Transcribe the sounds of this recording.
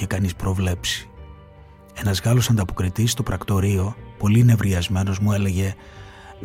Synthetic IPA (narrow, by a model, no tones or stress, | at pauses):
ekɐnispɾo̞vle̞psi̥ | e̞nɐzɣɐlo̞sɐnd̪ɐpo̞kɾit̪ist̪o̞pɾɐkt̪o̞ɾio̞po̞line̞vɾiɐzme̞no̞zmue̞le̞ʝe̞